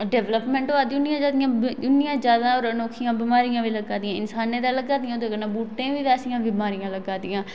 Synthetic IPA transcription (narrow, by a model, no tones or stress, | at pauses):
ɖɛːʋləpmɛ̃ːɳʈoad̪iːʊnɪjãːd͡ʒaːd̪ɪjãːbʊnɪjãːd͡ʒaːd̪aːɔːɾənoːkʰɪjãːbɪmaːɾɪjãːʋiːləɡaːd̪ɪjãːɪnsaːnẽːd̪aːləɡaːd̪ɪjãd̪eɡənãːbuːʈːẽːʋiːʋɛːsɪjãːbɪmaːɾijãːləɡaːd̪ɪjãː